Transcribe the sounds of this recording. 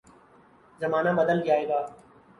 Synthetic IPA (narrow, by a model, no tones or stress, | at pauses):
zəmaːnaːɓəd̪əld͡ʒaːeːɡaː